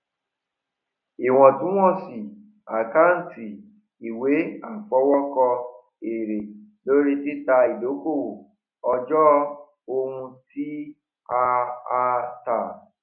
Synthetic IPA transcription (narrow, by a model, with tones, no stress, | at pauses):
i˨w̃ɔ̃˨tũ˦w̃ɔ̃˦˨si˨ | a˨ka˦n̩˨ti˨ | i˨we˨˦a˦˨fɔ˨˦wɔ˦kɔ˧ | e˨ɾe˨lo˦ɾi˦ti˦ta˧i˨do˨˦ko˦˨w | ɔ˧d͡ʒɔ˦ | o˧hũ˧ti˦ | a˧a˧ta˨